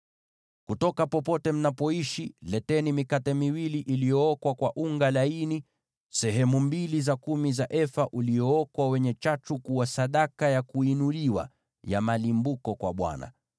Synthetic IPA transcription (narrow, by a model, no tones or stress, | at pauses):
kutɔkapɔpɔtɛm̩napɔiʃilɛtɛnimikatɛmiwiliʔilijɔɔkwakwaʔuŋɡalaini | sɛɦɛmumbilizakumizaʔɛfaʔuliɔɔkwawɛɲɛt͡ʃat͡ʃukuwasaɗakajakuinuliwa̰ | ja̰malimbukɔkwa̰ɓwa̰na̰